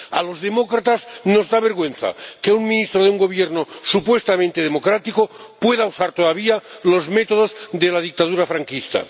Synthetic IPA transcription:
alo̞zðe̞mo̞kɾat̪azno̞zðaβe̞ɾɣwẽ̞n̟θa̰keuŋmĩnist̪ɾoðeuŋɡo̞β̞jeɾnosupwe̞st̪amẽnt̪eð̞emo̞kɾat̪ikopwe̞ðausaɾt̪oðaβ̞ialo̞zme̞t̪oð̞ozd̪elað̞ik̚t̪aðuɾafɾaŋkist̪a̰

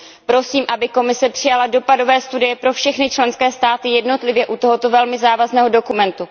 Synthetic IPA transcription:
pɾo̞siːmʔabɪko̞mɪsɛpr̥ɪjalado̞pado̞vɛːst̪udɪjɛpɾo̞fʃɛxnɪt͡ʃlɛnskɛːst̪aːt̪ɪjɛdno̞t̪lɪvjɛʔut̪o̞ɦot̪o̞vɛlmɪzaːvaznɛːɦo̞do̞kumɛnt̪u

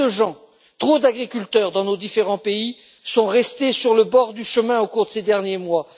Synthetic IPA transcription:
əʒɑ̃ | t̪χod̪aɡʁikʲylt̪œʁd̪ɑ̃nod̪ifeʁɑ̃pei | sɔ̃ʁɛst̪esyʁləbɔʁd̪yʃəmɛ̃okuʁd̪əsed̪ɛʁnjemwa

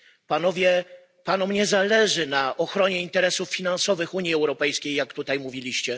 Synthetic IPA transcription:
panɔvʲjɛ | panumɲɛzalɛʐɘnaʔɔxɾɔɲɛint̪ɛɾɛsufːʲinansɔvɘxuɲiɛwɾɔpɛjskʲejːakt̪ut̪ajmuvʲilʲiɕt͡ɕɛ

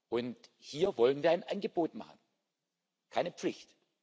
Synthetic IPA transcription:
ʔʊnthiːɐvɔlənviːɐaɪnʔanɡəboːtma̰χn̩ | kʰaɪnəp͡flɪçt

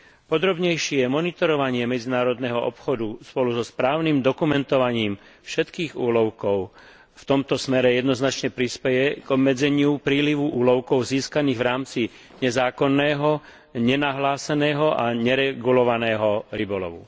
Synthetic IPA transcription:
pɔd̪ɾɔbɲɛjʃɪɛmɔnit̪ɔɾɔʋaɲɪɛmɛd͡zinaːɾɔd̪nɛɦɔʔɔpxɔd̪uspɔluzɔspɾaːʊnimd̪ɔkumɛnt̪ɔʋaɲiːmfʃɛt̪kiːɣṵːlɔʊkɔʊ | ft̪ɔmt̪ɔsmɛɾɛjɛd̪nɔznat͡ʃɲɛpɾispɛjɛɡ̥ɔbmɛd͡zɛɲɪupɾiːliʋuʔuːlɔʊkɔʊziːskaniːɣʋɾaːmt͡si | ɲɛzaːkɔnːɛːɦɔ | ɲɛnaɦlaːsɛnɛːɦɔʔaɲɛɾɛɡulɔʋanɛːɦɔɾibɔlɔ̰ʋṵ

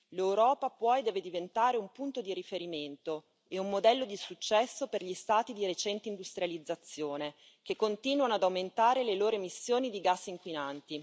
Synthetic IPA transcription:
lewɾɔːpapwɔjd̪ɛːved̪ivent̪aːɾeumpunt̪od̪iɾifeɾiment̪o | eumːod̪ɛlːod̪isut͡ʃːɛsːoperʎist̪aːt̪id̪iɾet͡ʃɛnt̪eind̪ust̪ɾjalid̪zːat̪sːjoːne | k̟ekːont̪iːnwanoad̪awment̪aːɾeleloːɾoemisːjoːnid̪iɡasːiŋkwinant̪i

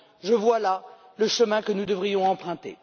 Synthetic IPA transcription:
ʒəvwala | ləʃəmɛ̃kənud̪əvʁijɔ̃ɑ̃pχɛ̃t̪ḛ

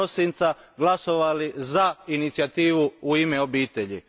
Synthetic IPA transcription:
osint̪saɡlˠaso̞ʋalizainit̪siat̪iːʋuuimeo̞biːt̪eʎi

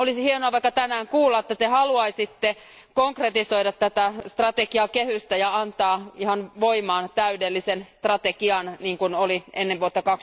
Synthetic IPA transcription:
olisihienoɑʋɑikːˑɑt̪ænæːŋkuːlːɑet̪ːæt̪ehɑluɑisit̪ːe | koŋkret̪isoiɾɑt̪t̪ːæt̪æst̪rɑt̪ekiɑkehyst̪æjɑɑnt̪ɑːihɑnʋoimɑːnt̪æydelːisenst̪rɑt̪ekiɑnniːŋkunolienːeʋʋuot̪ːɑkɑks

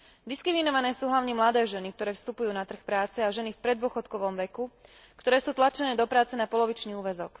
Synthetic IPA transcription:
d̪iskɾiminɔʋanɛːsuːɦlaʊɲɛmlad̪ɛːʒɛnik̚t̪ɔɾɛːfst̪upujuːnat̪r̩xpɾaːt͡sɛaʒɛnifpɾɛd̪ʊɔxɔt̪kɔʋɔmʋɛku | kt̪ɔɾɛːsuːt̪lat͡ʃɛnɛːd̪ɔpɾaːt͡sɛnapɔlɔʋit͡ʃniːuːʋɛzɔk

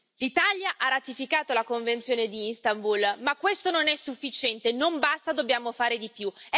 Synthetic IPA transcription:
lit̪aljaʔaɾat̪ifikaːt̪olakoɱvent̪sjoːned̪iinst̪ambulmakːwest̪ononɛsːufːit͡ʃɛnt̪enombast̪ad̪objaːmofaːɾed̪ipju

